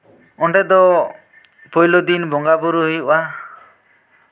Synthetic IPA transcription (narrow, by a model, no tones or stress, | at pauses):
ɔɳɖɛd̪ɔ | pɔjlod̪inbɔŋɡabuɾuɦojuʔa